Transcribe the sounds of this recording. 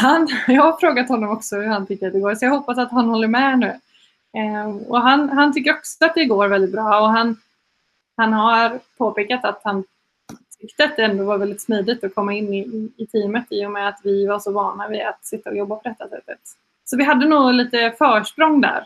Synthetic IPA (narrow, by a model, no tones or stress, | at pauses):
hanjɑːaɾfɾoːɡat̪hɔnːɔmɔksɔhʉɾhant̪ʰʏkːəɾat̪d̪ɛɡoːɾsɔjaɡɦɔpːasat̪ɦanhɔlːəɾmɛnʉ̟ː | ɔ̰ɦanɦant̪ʰʏkːəɾɔksɔat̪̚d̪ɛɡoːɾvɛld̪ɪt̪̚bɾɑːɔɦan | hanɦaɾpʰoːpeːkat̪at̪han | t̪ʰʏkt̪əat̪̚d̪ɛɛnd̪ʊvaɾvɛld̪ɪt̪smiːd̪ɪt̪ɔkʰɔmːaɪnːɪɪɪt̪ʰiːmət̪ɪjʊmɛat̪vɪvaʂɔvɑːnavɪa̰t̪sɪt̪ːaɔjɔbːapʰɔd̪ɛt̪ːasɛt̪ːət̪ | sɔvɪɦad̪ːənuːliːt̪əfœːʂpɾɔŋːd̪æ̰ɾ